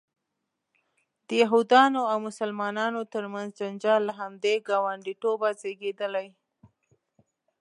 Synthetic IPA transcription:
d̪̥əjaɦud̪ɑnoawmʊsəlmɑnɑnot̪əɾmanzd͡ʒand͡ʒɑlːaɦamd̪eɡɑwaɳɖiʈobazeɡed̪əlaj

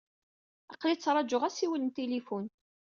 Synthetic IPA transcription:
ɑqlit͡sːɾˤɑd͡ʒʊʁæsiwəlnt̪elifun

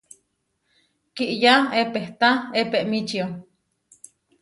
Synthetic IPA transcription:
kiʔjaepeht̪aepeʔmit͡ʃio

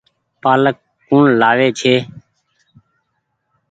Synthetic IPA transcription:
paːləkː | ũːɳlaːʋeːt͡ʃʰeː

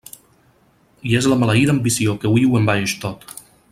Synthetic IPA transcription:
iezləmalaiðəmbisiokəwiuwembajeʃt̪ot̪

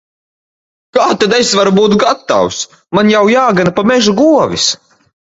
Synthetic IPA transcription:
kaːt̪ad̪esvaɾubuːt̪ɡat̪ːa̰ws | manjawjaːɡanapamɛʒuɡuɔvʲis

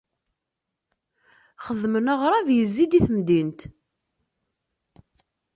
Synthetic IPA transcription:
χəðmənaʁɾˤɑvjəzːid̪iθmd̪int̪

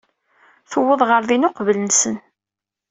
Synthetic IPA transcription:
θəwːəðˤʁəɾðinʊqvələnsən

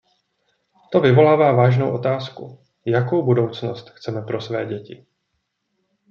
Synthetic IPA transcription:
t̪o̞vɪvo̞laːvaːvaːʒnowʔo̞t̪aːskṵ | jako̞wbudo̞wt͡snost̪xt͡sɛmɛpɾʔo̞svɛ̰ːɟɛcɪ̰

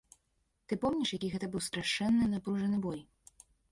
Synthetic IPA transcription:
t̪ɨpɔmnʲiʂjakʲiɣɛt̪ɐbɨwst̪ɾaʂɛnːɨnapɾuʐɐnɨbɔj

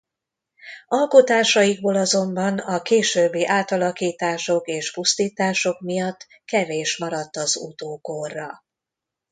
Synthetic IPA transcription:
ɒlko̞t̪aːʃɒjiɡ̚boːlɒzo̞mbɒnɒkeːʃøːbːiːʔaːt̪ɒlɒkiːt̪aːʃo̞keːʃpust̪iːt̪aːʃo̞kmijɒt̪ː | kɛveːʃmɒɾɒt̪ːɒzṵt̪oːkorːɒ

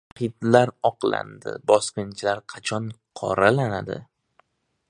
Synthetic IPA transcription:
qʰɪt̪laɾɒqla̰nd̪ɪ̰bɒsqʲɪnt͡ʃʰɪlaɾqʰɑt͡ʃʰɒnqʰɒ̰ɾalanad̪ɪ̰

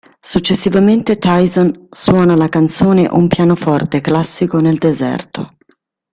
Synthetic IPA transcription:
sut͡ʃːesːivament̪et̪ajzɔnswɔːnalakant̪soːnḛʔumpjaːnofɔrt̪eklasːikoneld̪ezɛ̰rt̪o̰

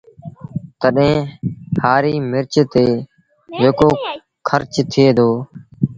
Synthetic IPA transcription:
t̪əɗẽːhaːɾiːmɪɾt͡ʃt̪eː | d͡ʒeːkoː | kʰəɾt͡ʃt̪ʰɪeːd̪oː

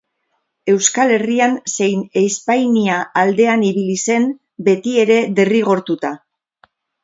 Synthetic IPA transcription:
e̞wskale̞rianse̞jnejspajniaald̪e̞aniβilise̞n | be̞t̪ie̞ɾe̞ðe̞riɣ̞o̞ɾt̪ut̪a

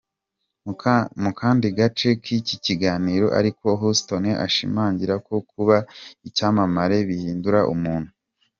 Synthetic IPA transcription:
mukaːndiɡat͡ʃe̞kiciciɡaːniːɾo̞ʔa̰ɾiko̞ɦusto̞neʔa̰ʃimaːɲɟiɾako̞kuβaicaːmamaɾe̞βihiːnduɾaʔṵmuːn̥hu

